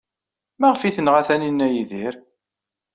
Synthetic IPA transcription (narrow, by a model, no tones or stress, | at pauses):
mæʁəfiθənʁæθæninːæjiðiɾ